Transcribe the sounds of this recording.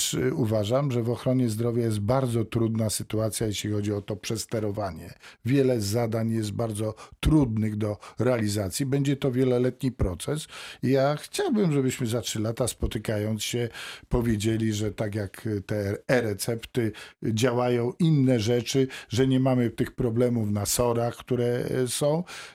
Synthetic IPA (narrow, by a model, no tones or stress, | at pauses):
ʂuvaʐamʐɛvɔxɾɔɲɛzd̪ɾɔvʲjajɛst̪̚baɾd̪zɔt̪ɾud̪nasɘt̪uat̪sʲjajeɕlʲixɔd͡ʑiɔt̪ɔpʂɛst̪ɛɾɔvaɲɛvʲjɛlɛzad̪aɲjɛs̬t̪̚baɾd̪zɔt̪ɾud̪nɘɣd̪ɔɾɛalʲizat̪sʲjibɛɲd͡ʑɛt̪ɔvʲjɛlɔlɛt̪ɲipɾɔt̪sɛsijaxt͡ɕawbɘmʐɛbɘɕmɘzatʂɘlat̪aspɔt̪ɘkajɔnt̪sɕɛpɔvʲjed͡ʑelʲiʐɛt̪akʲjakt̪ɛɛɾɛt̪sɛpt̪ɘd͡ʑawajɔ̃w̃ʔinːɛʐɛt͡ʂɘʐɛɲɛmamɘft̪ɘxpɾɔblɛmufnasɔɾaxkt̪uɾɛsɔ̃w̃